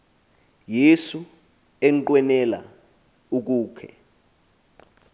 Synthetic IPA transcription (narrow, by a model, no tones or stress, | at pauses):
jesu | ɛŋǃwɛnɛla̰ | uk̬uːkʰɛ̰